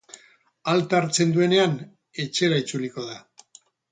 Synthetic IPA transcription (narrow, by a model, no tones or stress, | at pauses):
alt̪aɾt͡se̞nd̪ue̞ne̞an | e̞t͡ʃe̞ɾait͡suliko̞ða